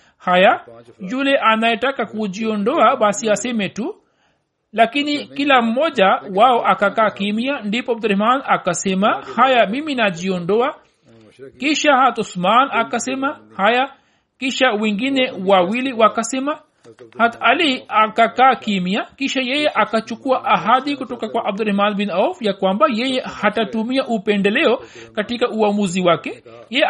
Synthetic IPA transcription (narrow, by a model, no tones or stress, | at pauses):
hajad͡ʒulɛʔanajɛtakakud͡ʒiɔndɔaɓasiasɛmɛtu | lakinikilam̩ːɔʄawaɔʔakakaːkimiandipɔb̚d̪ɾɛhmanakasɛmahajamiminad͡ʒiɔndɔa | kiʃahatɔsmanakasɛmahaja | kiʃawɛŋɡinɛwawiliwakasɛma | hat̪aliakakaːkimiakiʃajɛjɛʔakat͡ʃukuaʔaɦad̪ikutɔkakwaʔab̚d̪uɾɛhmanbinawfjakwambajɛjɛhatatumiaʔupɛndɛlɛɔkatikaʔuamuziwake | jɛ